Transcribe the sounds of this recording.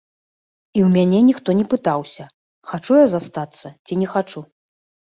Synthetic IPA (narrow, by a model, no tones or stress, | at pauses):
iwmʲanʲɛnʲixt̪ɔnʲɛpɨt̪awsʲɐ | xat͡ʂujazast̪at̪sːɐt͡sʲinʲɛxat͡ʂu